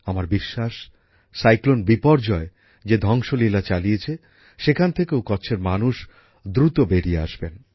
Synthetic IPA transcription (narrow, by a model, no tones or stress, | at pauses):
amaɾbiʃːaʃ | sajklonbipɔɾd͡ʑɔe | d͡ʑed̪ʱɔŋʃolilat͡ɕaliet͡ɕʰe | ʃekʰant̪ʰekeokɔt͡ɕʰeɾmanuʃ | d̪ɾut̪obeɾiea̰ʃben